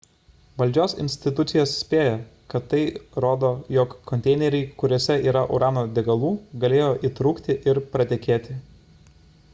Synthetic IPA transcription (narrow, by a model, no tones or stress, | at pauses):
ʋɐlʲd͡ʒʲoːsɪ̰nʲsʲt̪ʲɪt̪ʊt̪sʲɪjoːssʲpʲeːjɛkɐt̪ːɐɪɾoːd̪oːjoːkːɔnʲt̪ʲɛɪnʲɛɾʲɛɪkʊɾʲoːsʲɛiːɾɐʔṵːɾʔɑːnoːd̪ʲɛɡɐlˠuːɡɐlʲeːjoːʔiːt̪ɾʊːkt̪ʲɪʔɪɾpɾɐt̪ʲɛkʲeːt̪ʲɪ